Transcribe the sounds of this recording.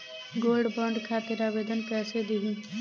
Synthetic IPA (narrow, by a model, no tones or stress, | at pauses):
ɡolɖbəɳɖkʰaːt̪iɾaːbed̪ənkɛːsed̪iɦĩ